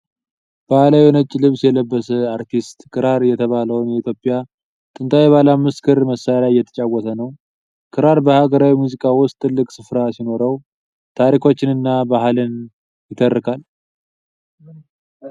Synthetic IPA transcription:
b̥ahlawinət͡ʃʼːlɨβsjɛləbːəsəaɾt̪ʰist̪ʼkʰɨɾaɾjɛt̪ʰəβaləwnjɛit̪jo̞pʼːɪja | t̪ʼɨnt̪ʰʼawjɛβalamːɨskʰɨɾməsajalajjːɛt̪ʰə̥t͡ʃʼawːɔt̪ʰənəw | kʰɨɾaɾbəhaɡəɾawimuzikʼawʊst̪ʰʼːɨlːɨkʼsɨfɾasino̞ɾəw | t̪ʰaɾikʰo̞t͡ʃːɪnɨnːabaɦlɨn | jɪt̪ʰərːɨkʰal

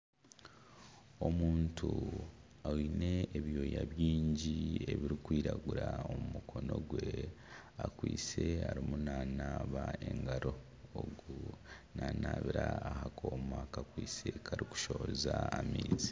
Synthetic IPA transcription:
o̞muːntʰu | awine̞ːβjo̞ːjaβjiːɲɟie̞βiɾikwiːɾaɡuɾaomumukʰo̞no̞ɡwe̞ | akwiːt͡se̞aɾimunaːnaːβae̞ŋɡaɾo̞ | oɡunaːnaːβiɾaahakʰoːmakakwiːse̞kʰaɾiku̥ʃoozaamiːzi

